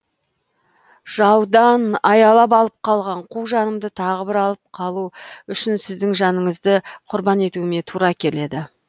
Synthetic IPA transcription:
ʒ̥ɑwd̪ɑnɑjɑlˠɑp̬ɑlˠəp̚qʰɑlˠʁɑɴqʰuʒɑnəmd̪ət̪ʰɑʁəbɪɾɑlˠəp̚qʰɑlˠuʏʃɪnsɪzd̪ɪŋʒɑnəɴəzd̪əqʰʊɾbɑne̞t̪uɪme̞t̪ʰuɾɑkʲʰe̞le̞d̪ɪ

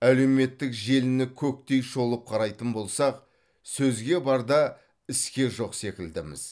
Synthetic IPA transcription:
æle̞wme̞t̪ːɪkʒe̞lɪnɪkʲʰɵk̚t̪e̞jʃo̞lˠəp̚qʰɑɾɑjt̪ənbo̞lˠsɑq̚ | sɵzɡʲe̞bɑɾd̪ɑ | ɪskʲe̞ʒo̞qse̞kʲɪld̪ɪmɪ̰z̥

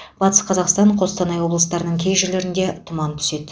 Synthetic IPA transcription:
b̥ɑt̪ə̥sqʰɑzɑqst̪ɑɴqʰo̞st̪ɑnɑjwo̞blˠəst̪ɑɾənəɴkʲʰe̞jʒɪɾle̞ɾɪnd̪e̞t̪ʰʊmɑnt̪ʰʏ̥se̞d̪

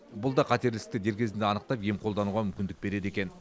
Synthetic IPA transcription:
bʊlˠd̪ɑqʰɑt̪e̞ɾlɪ̥k̚t̪ɪd̪e̞ɾkʲʰe̞zɪnd̪eɑnəq̚t̪ɑpje̞mqʰolˠd̪ɑnuʁɑmʏmkʲɪnd̪ɪk̚be̞ɾe̞d̪e̞kʲe̞n

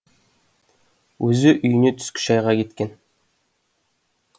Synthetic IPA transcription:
wɵzɪʔʏjɪ̆net̪ʰʏ̥skʲʰʏ̥ʃɑjʁɑkʲet̪kʲen

